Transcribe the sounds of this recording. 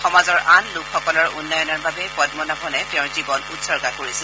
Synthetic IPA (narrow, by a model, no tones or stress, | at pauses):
xɔmazɔɹʔanlʊkʰxɔkɔlɔɹunːɔjɔnɔɹbabɛpɔd̚mɔnapʰɔnɛtɛʊ̃ɹzibɔnutsɔɹɡakoɹisɛ